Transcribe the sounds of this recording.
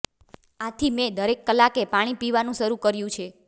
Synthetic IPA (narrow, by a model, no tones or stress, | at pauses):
at̪ʰimẽd̪əɾekːəlakepaɽ̃ipiʋanũʃəɾukəɾjũt͡ʃʰe